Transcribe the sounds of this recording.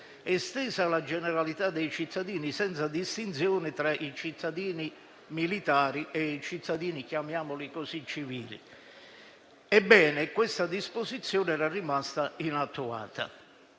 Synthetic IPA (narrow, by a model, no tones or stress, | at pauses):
ɛst̪ɛːzalad͡ʒɛnɛɾalit̪ad̪ːejt͡ʃit̪ʰːad̪iːnisɛnt̪sad̪ist̪int̪sjɔːnɪt̪ɾaʔit͡ʃit̪ʰːad̪iːni | milit̪aːɾiʔɛit͡ʃit̪ʰːad̪iːnikjamjaːmʊlikozit͡ʃːiviːlḭ | ɛbːɛːnɪkwɪst̪ad̪ispozit̪sːjɔːnɛːɾarimast̪ainat̪ːua̰ːt̪a̰